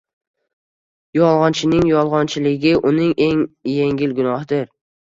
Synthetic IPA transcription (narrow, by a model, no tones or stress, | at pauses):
jɒlˠʁɒnt͡ʃʰɪnɪŋjɒlˠʁɒnt͡ʃʰɪlɪɡʲɪʔʊnɪŋʔe̞ŋjeŋɡʲɪlɡʊnɒhɪd̪ɪɾ